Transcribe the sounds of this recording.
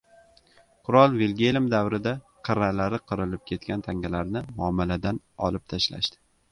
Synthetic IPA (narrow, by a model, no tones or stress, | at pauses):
qʰʊɾɒlˠvelɡʲelɪmd̪awɾɪd̪a | qʰɨɾalaɾɪqʰɨɾɪlɪp̚kʲʰe̞t̪kʲant̪ʰaŋʲalaɾnɪmʊɒmːɪlad̪an | ɒ̰lˠɪp̚t̪ʰaʃla̰ʃt̪ɪ̥